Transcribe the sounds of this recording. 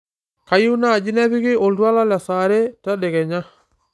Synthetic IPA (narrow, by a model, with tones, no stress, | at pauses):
ka˨ju˦na˦˨d͡ʒi˦nɛ˦βi˦ɣɪ˦ʔo˨ldwa˦la˦lja˨sa˨ɾe˦ta˦dɛ˨ɣɛ˨ɲa˦